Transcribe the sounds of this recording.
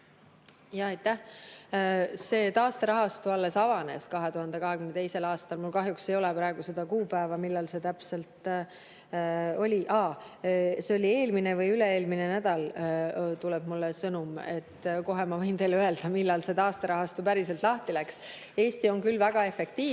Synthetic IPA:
jɑɑjt̪ːˑæh | se̞ːt̪ɑːst̪eɾɑɦɑst̪uɑlːe̞sɑvɑne̞̰skɑɦe̞t̪uhɑnd̪̥e̞kɑɦe̞kymnet̪e̞jse̞lɑːst̪ɑlmulkɑɦjuksejo̞lɛpɾɑe̞ɡ̥use̞d̪̥ɑkuːpæːvɑmilːɑlse̞t̪æpse̞lt̪ | o̞lʲiʔɑ | seo̞lʲie̞ːlminevɤjyleeːlmine̞næd̪̥ɑl | t̪uleb̥mulːesɤnume̞t̪ːko̞ɦe̞mɑvɤjnt̪e̞jløeld̪̥ɑmilːɑlse̞t̪ɑːst̪eɾɑɦɑst̪upæɾiselt̪ˑlɑht̪ilæks | e̞ːsʲt̪io̞ŋkylvæɡ̥ɑe̞fe̞kt̪iː

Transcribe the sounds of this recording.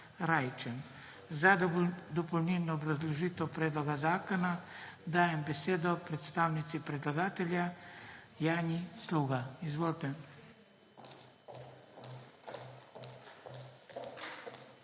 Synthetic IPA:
ɾajt͡ʃɛn | zad̪d̪ɔpɔwnilnɔːbɾazlɔʒiːt̪ɛwpɾɛːd̪lɔɡazaːkɔnad̪aːjɛmbɛseːd̪ɔpɾɛt̪st̪aːwnit̪sipɾɛd̪laɡaːt̪ɛlʲja | jaːnisluːɡaizʋoːlt̪ɛ

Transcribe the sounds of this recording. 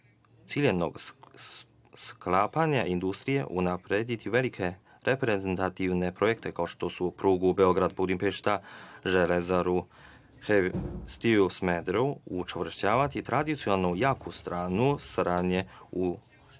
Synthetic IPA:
t̪siʎʲeʋno̞̰ɡ | sklaːpaɲaʔind̪ust̪ɾije̞̰ʔunapɾeːd̪it̪iʋe̞likʰe̞ | ɾʔe̞pɾezent̪at̪iʋne̞pɾojekt̪e̞kao̞ʃt̪o̞supɾuːɡubeo̞ɡɾad̪bud̪impeʃt̪aʒelezaɾu | hest̪iusmed̪ɾuut͡ʃeʋr̩ʃt͡ɕaːʋat̪it̪ɾad̪it̪sjonalnujaːkust̪ɾaːnusɾaːd̪ɲeu

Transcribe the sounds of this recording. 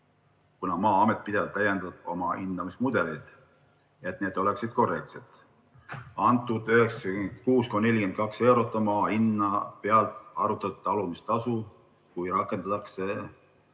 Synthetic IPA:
kunɑmɑːɑme̞t̪̚ˑpid̪̥e̞vɑlt̪ːæjːend̪̥ɑd̪̥o̞mɑind̪ɑmismud̪̥e̞lid̪̥ | et̪ne̞ːd̪̥o̞le̞ksid̪̥̚ko̞re̞k̚t̪set̪ | ɑnt̪ːˑud̪yheksɑykuːskone̞lʲikent̪̚kɑkse̞wɾot̪ːˑɑmɑːinːɑpe̞ɑlt̪ˑɑɾut̪ːˑɑt̪t̪ːɑlumist̪ɑsu | kujɾɑkˑːe̞nd̪̥ɑt̪ːɑkse

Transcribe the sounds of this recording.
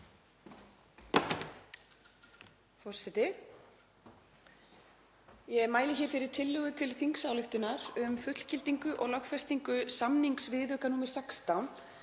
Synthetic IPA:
fɔr̥sɛt̪ɪ | jɛɛɾmaːjlɪçɛɾ̥fɪɾɪɾ̥t̪ʰɪlːʏɣʏt̪ʰɪlθiŋksawlʏht̪ʏnaɾʏmfʏt̪l̥cɪlt̪iŋkʏʔɔɣlɔxfɛst̪iŋkʏsamniŋksvɪðœkanumɪ̥sɛkst̪awn

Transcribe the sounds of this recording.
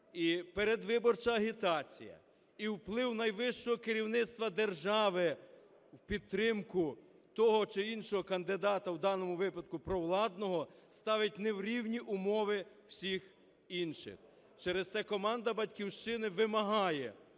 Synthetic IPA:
ipeɾed̪ʋɪbɔrt͡ʃɐɐɦʲit̪ɑt͡sʲḭjɐ̰ | iwplˠɪwnɐjʋɪʃt͡ʃɔɦɔkɪɾʲiwnɪt̪st̪ʋɐd̪erʒɑʋɪ | wpʲid̪̚t̪ːɾɪmkʊ | t̪ɔɦɔt͡ʃɪinʃɔɦɔkɐnd̪ɪd̪ɑt̪ɐwd̪ɑnɔmʊʋɪpɐd̪̚kʊpɾɔwlˠɑd̪nɔɦɔst̪ɑʋɪt̚ʲnewɾʲiwnʲiʔʊmɔʋɪ | w̥sʲix | inʃɪ̰x | t͡ʃɛɾezst̪ɛkɔmɑnd̪ɐbɐdʲkʲiwʃt͡ʃɪnɪʋɪmɐɦɑjɛ̰

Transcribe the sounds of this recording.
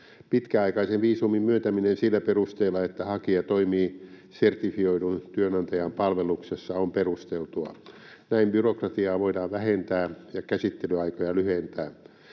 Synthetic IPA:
pit̪kæɑikɑiseʋʋiːsumimmyøt̪æminensilːæperust̪eːlːˑɑet̪ːæhɑkiɑt̪oimiː | sert̪ifioiɾunt̪yønɑnt̪ɑjɑmpɑlʋeluksesːɑomperust̪elt̪uɑ̰ | næimbyrokrɑt̪iɑːʋoidɑːʋʋæhent̪æːjɑkæsit̪ːelyɑikojɑlyhent̪æː

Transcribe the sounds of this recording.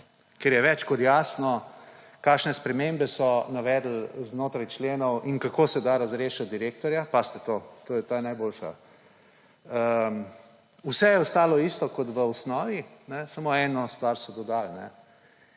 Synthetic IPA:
keɾjɛʋɛt͡ʃkɔt̪jaːsnɔ | kaːʃnɛspɾɛmembɛsɔnaʋɛd̪l̩znoːt̪ɾajt͡ʃleːnɔwʔinkakoːsɛd̪aɾazɾeːʃad̪iɾeːk̚t̪ɔɾjapast̪ɛt̪ot̪oːjɛt̪oːjɛnajboːlʃa̰ | ə | usɛjɛɔst̪aːlɔist̪ɔkɔt̪ʋəɔsnɔːʋinɛsamoɛːnɔst̪ʋaɾsɔd̪ɔd̪alnɛ̰

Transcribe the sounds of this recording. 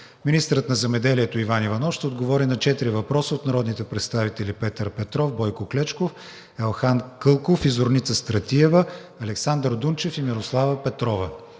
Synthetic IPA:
minist̪əɾət̪nɐzɛmɛd̪ɛliɛt̪oivanivɐnɔfʃt̪ɛod̪ɡovɔɾinɐt͡ʃɛt̪iɾivɐpɾɔsəot̪nɐɾɔd̪nit̪ɛpɾɛt̪st̪avit̪ɛlipɛt̪əɾpɛt̪ɾɔfbɔjkoklɛt͡ʃkof | ɛlˠxankɤlˠkofizoɾnit̪səst̪ɾɐt̪iɛvə | ɐlɛksand̪ɾd̪unt͡ʃɛfimiɾoslˠavəpɛt̪ɾɔvə

